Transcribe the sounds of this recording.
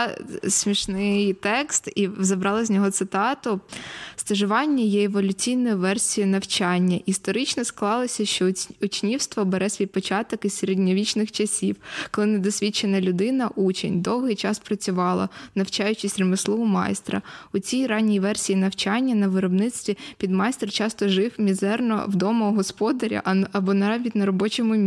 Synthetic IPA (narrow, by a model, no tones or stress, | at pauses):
sʲmʲiʃnɪjt̪ɛkst̪izɐbɾɑlˠɐzʲnʲɔɦɔt̪sɪt̪ɑt̪ʊst̪ɐʒʊʋɑnʲːɐjɛeʋɔlʲʊt͡sʲijnɔjʊʋɛrsʲijʊnɐwt͡ʃɑnʲːɐʔist̪ɔɾɪt͡ʃnɔsklˠɑlˠɔsʲɐʃt͡ʃɔʊt͡ʃnʲiwst̪ʋɔbeɾɛsʲʋʲijpɔt͡ʃɑt̪ɔkizsʲeɾedʲnʲɔʋʲit͡ʃnɪxt͡ʃɐsʲiwkɔlˠɪnɛd̪ɔsʲʋʲit͡ʃenɐlʲʊd̪ɪnɐʔut͡ʃḛnʲd̪ɔwɦɪjt͡ʃɑspɾɐt͡sʲʊʋɑlˠɐ̰nɐwt͡ʃɑjʊt͡ʃɪsʲrʲɪmɪslˠɔʊmɑ̰jst̪ɾɐ̰ʊt͡sʲijɾɑnʲijʋɛrsʲijinɐwt͡ʃɑnʲːɐnɐʋɪɾɔbnɪt͡s̪ʲt̪ʲʋʲipʲid̪mɑjst̪rt͡ʃɑst̪ɔʒɪwmʲizɛrnɔ̰wd̪ɔmɔɦɔspɔd̪ɐɾʲḭʔɐbɔnɐɑvʲit̪ʲnɐɾɔbɔt͡ʃɔmʊmʲ